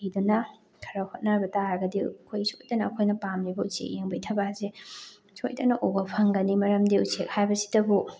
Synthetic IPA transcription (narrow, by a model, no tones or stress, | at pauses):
idunɐ | kʰɐɾɐhot̚nabɐtaɾɐɡɐdikʰojsojdɐnɐːkʰojnɐpamnibɐusḛk̚jeŋbɐjtʰɐbaze | so̰jdɐnɐʔoɡɐpʰɐŋɡɐnimɐɾɐmdiusek̚hajbɐsi̥dɐbu